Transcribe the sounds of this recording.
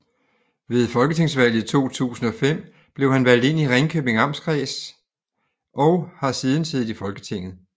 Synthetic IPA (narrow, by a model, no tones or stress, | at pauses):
ʋe̝ð̞ˠfɒ̽lɡ̥ət͡sʰe̝ŋ̰sʋæl̰ð̩ˠt͡sʰo̝̰ːt͡sʰṵːsn̩ɒ̽fem̰ | b̥le̝ʊɦænʋæl̰d̥e̝n̰iʁeŋkʰøb̥e̝ŋɑ̈msɡ̥ʰʁɛːs | ʔɒ̽ʊhɑ̈siːð̞ˠn̩seð̩ˠifɒ̽lɡ̥ət͡sʰe̝ŋ̰ð̩ˠ